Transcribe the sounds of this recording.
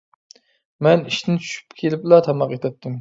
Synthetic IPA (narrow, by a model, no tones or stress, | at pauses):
mɛniʃt̪ʰɪnɪt͡ʃʰy̥ʃy̥pkʲʰelɪplˠɑt̪ʰɑmɑqet̪ʰɛt̪ʰːɨm